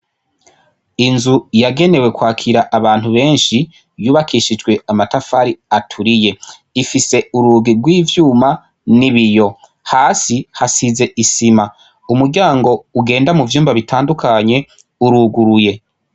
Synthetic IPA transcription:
inzujaɡe̞ne̞we̞kwaːkʰiɾaʔaβaːn̥huβe̞ːnʃi | juːβakʰiːʃid͡ʒɡwe̞amatafaɾiatʰuɾije̞ | ifise̞uɾuːɡiɾɡwiːvjuːma | niβijo̞ | haːsihasize̞ʔisima | umuɾɟaːŋɡo̞uɡe̞ːndamuvjuːmbaβitʰaːndukʰaɲe̞ | uɾuːɡuɾuje̞

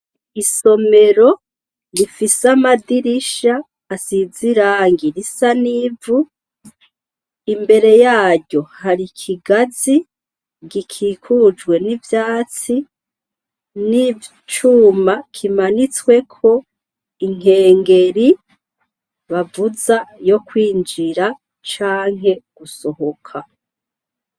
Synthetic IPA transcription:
iso̞me̞ɾo̞ | ɾifisamadiɾiʃaː | siziɾaːŋɡiɾisanivu | imbe̞ɾe̞jaːɟo̞haɾikʰiɡazi | ɡikʰiːkʰud͡ʒwe̞nivjaːt͡si | ni | t͡ʃumakʰimanit͡swe̞kʰo̞ | iŋ̥e̞ːŋɡe̞ɾi | βavuzajo̞kwiːnd͡ʒiɾa | t͡ʃaːŋ̥e̞ɡ̥uso̞hokʰa

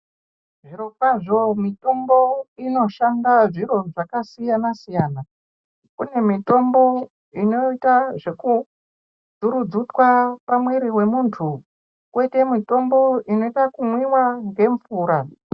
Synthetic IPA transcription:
ʐiɾofaʐo̞mito̞mbo̞ino̞ʃandaʐiɾo̞ʐakasijanasijaːna | kune̞mito̞mbo̞ | ino̞itaʐe̞ku | d͡zuɾud͡zutwapamweɾiwe̞muntʰu | kwe̞te̞mito̞mbo̞ʔino̞itakumwiwaŋɡe̞ɱfuːɾa

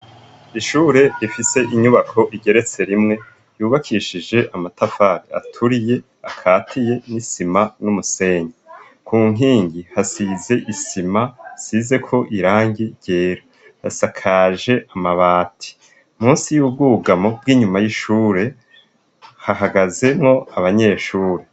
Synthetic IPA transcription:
iʃuːɾe̞ifise̞ʔiɲuβakʰo̞ʔiɟe̞ɾe̞t͡se̞ɾimŋe̞ | juːβakʰiːʃiʒe̞ʔamatafaːɾia̰tʰuɾije̞ | akʰaːtʰije̞nisimanumuse̞ːɲa | kʰuːŋ̥iːɲɟihasize̞ʔisimasize̞kʰo̞ʔiɾaːŋɡiɾɟ̥e̞ːɾa | jasakʰaʒe̞ʔamaβaːtʰi̥ | muːnsijuːb̚ɡuɡamo̞b̚ɡiːɲumajiʃuːɾe̞ | hahaɡaze̞mŋo̞aβaɲe̞ːʃuːɾe

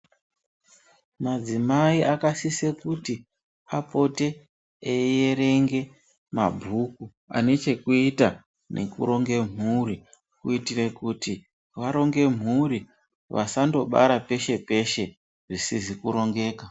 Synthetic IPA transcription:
mad͡zimaiʔakasisekuti | apo̞te̞ | ejeɾe̞ŋɡe̞ | ma̰bʱuku | a̰ne̞t͡ʃe̞kuita | ne̞̰kṵɾo̞ŋɡe̞m̤ʱuɾi | kuitire̞kuti | ʋaɾo̞ŋɡe̞m̤uɾi | ʋa̰sando̞ɓa̰ɾape̞ʃe̞pe̞ʃe̞ | ʐisizikuɾo̞ŋɡe̞ːka

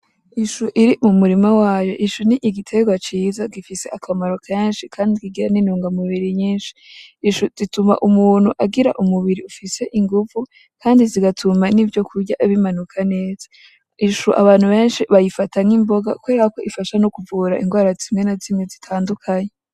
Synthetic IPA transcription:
iʃuʔiɾimumuɾimawaːjo̞̰ʔiʃuniʔiɡitʰe̞ɡwat͡ʃiːzaɡifise̞ʔakʰamaɾo̞kʰeːnʃikʰaːndikiɡiɾaniːnuːŋɡamuβiɾiɲiːnʃi̥iʃuzituma̰ʔumuːn̥huʔaɡiɾa̰ʔumuβiɾiufise̞ʔiŋɡuvu | kʰaːndiziɡatʰumanivjo̞kʰuɾɟaʔiβimanukʰane̞ːzḁ | iʃuʔa̰βaːn̥huβe̞ːnʃiβajifatʰaŋimbo̞ɡa̰kweːɾaako̞ʔifaʃanokuvuːɾaʔiŋɡwaːɾazimŋe̞nazimŋezitʰaːndukʰaɲe

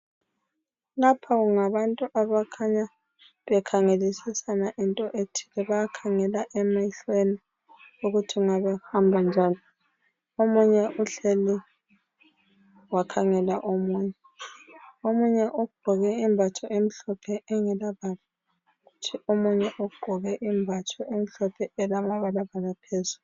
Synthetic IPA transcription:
lapʰaɣuŋaβantʼuʔaβakʰaɲa | βɛkʰaŋelisisanaʔintʼɔʔetʰi̥lɛβajakʰaŋɛlaʔɛmajiɬweni | uɣutʰiuŋaβɛhambʱand͡ʒʱaːni | omuɲɛʔuɬeli | wakʰaŋɛlaʔomuːɲɛ | omuɲɛʔɔɡ͡ǃ̥ʱɔɣɛimbʱat͡ʃʰɔʔem̩ɬɔpʰɛɛŋɛlaβala | ɣutʰiʔomuɲɛʔɔɡ͡ǃʱɔɣɛʔimbʱat͡ʃʰɔʔem̩ɬɔpʰɛɛlamaβalaβalapʰezulu

